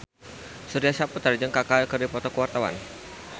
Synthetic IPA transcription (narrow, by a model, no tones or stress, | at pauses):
suɾiasaput̪ərd͡ʒəŋkakalkərdipɔt̪ɔkəwart̪awa̰n